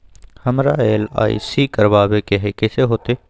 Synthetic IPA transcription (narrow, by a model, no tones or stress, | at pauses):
həmɾaːeːla̰ːḭsiːkəɾʋaːʋekeɦekeːseɦoːt̪eː